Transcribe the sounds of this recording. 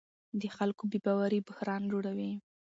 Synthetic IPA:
d̪əxalkobebɑwaɾibʊhɾɑnd͡ʒoɽawi

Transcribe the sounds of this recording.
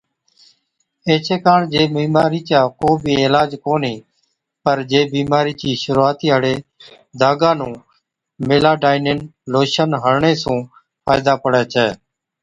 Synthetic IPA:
eːt͡ʃeːkaːɳd͡ʒeːmiːmaːɾiːt͡ʃaːkoːbʱiːeːlaːd͡ʒkoːniː | pəɾd͡ʒeːbiːmaːɾiːt͡ʃiːʃʊɾuːaːt̪iːɦəɽeː | d̪ʱaːɡãːnũː | meːlaːɖaːɪneːnloːʃənɦəɽɳeːsũː | pʰaːjd̪aːpəɽɛːt͡ʃʰɛː

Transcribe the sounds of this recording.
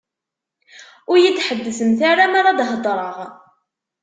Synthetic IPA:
ʊɾjit͡sːħəd̪ːəsəmθaɾamaɾˤad̪ɦəd̪ˤɾˤəʁ

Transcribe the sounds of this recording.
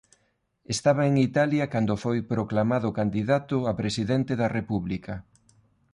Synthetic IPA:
est̪aβɐeŋit̪aljɐkand̪ʊfojpɾoklamaðʊkand̪iðat̪ʊapɾesiðent̪eðɐrepuβlikɐ

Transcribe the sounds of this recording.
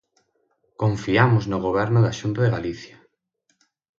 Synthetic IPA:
koɱfiamʊznʊɣ̞oβ̞ɛɾnʊðaʃunt̪ʊðeɣaliθja

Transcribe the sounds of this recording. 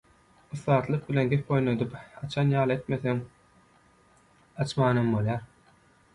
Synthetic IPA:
ɯθːɑːt̪lˠɯq̚bilʲe̞nɡʲep̚bo̞jnod̪ɯpɑt͡ʃʰɑnjɑːlˠɯet̪meθeŋ | ɑt͡ʃmɑːnɑmbolˠjɑːɾ

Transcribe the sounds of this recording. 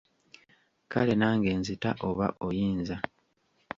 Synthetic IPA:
kʰa̰le̞naːŋɡe̞ːnzita̰ʔo̞βa̰ʔojiːnza

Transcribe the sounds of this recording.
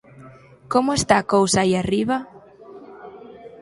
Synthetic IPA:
komʊest̪aːkowsaiariβa

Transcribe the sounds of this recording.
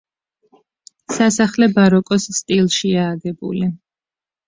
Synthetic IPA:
sasaχlɛbaɾɔkʼɔsst̪ʼilˠʃiaːɡɛbṵli

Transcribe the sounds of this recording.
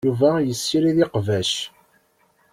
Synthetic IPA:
uvæjəsːiɾiðiqvæʃ

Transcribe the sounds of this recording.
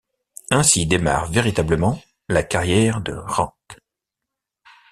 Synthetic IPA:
ɛ̃sid̪ema̰ʁveʁit̪abləmɑ̃ | lakaʁjɛʁd̪ə̰ʁɑ̃k

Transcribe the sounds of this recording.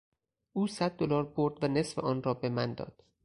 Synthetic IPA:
ʔuːsæd̪̚ːolɒːɾboɾd̪væne̞sfeʔɒːnrɒːbemænd̪ɒ̰ːd̪̥

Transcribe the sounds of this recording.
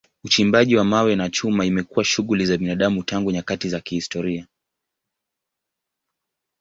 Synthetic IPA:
ut͡ʃimbaʄiwamawɛnat͡ʃumaimɛkuwaʃuɣulizaɓinaɗamutaŋɡuɲakatizakihistɔɾia

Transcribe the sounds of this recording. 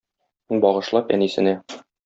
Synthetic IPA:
bɒʁɤ̆ʃlˠɑpæ̰nisɘ̆næ

